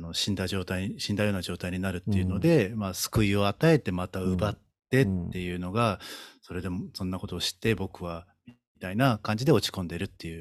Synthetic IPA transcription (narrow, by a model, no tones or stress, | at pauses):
no̞ɕĩnd̪aʑo̞ːt̪aiɕĩnd̪ajo̞ːnaʑo̞ːt̪aiɲ̟inaɾɯ̟t̪ːe̞jɯ̟no̞d̪e̞masɨ̥kɯio̞at̪ae̞t̪e̞mat̪aɯbat̪ːe̞t̪ːe̞jɯ̟ːno̞ɡaso̞ɾe̞d̪e̞msõ̞nːako̞t̪o̞ːɕi̥t̪ːe̞bo̞kɯ̟β̞a | it̪ainakãɲ̟d͡ʑid̪e̞o̞t͡ɕi̥kõ̞nd̪e̞ɾɯ̟t̪ːe̞jɯ̟ː